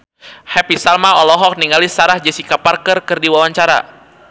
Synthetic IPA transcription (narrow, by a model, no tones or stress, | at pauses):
hɛpisalmaɔlɔɦɔk̚niŋɡalisaɾahd͡ʒɛsikaparkərkɨrdiwawaɲt͡ʃaɾa̰